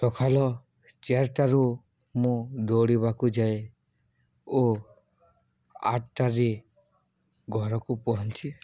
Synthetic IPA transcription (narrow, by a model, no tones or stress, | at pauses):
t̪ɔkʰalɔ | t͡ʃeaɾʈaɾu | mũd̪oɽiβakud͡ʒae | o | a̰ʈʈaɾe | ɡʱɔɾɔkupɔɦɔnt͡ʃʰi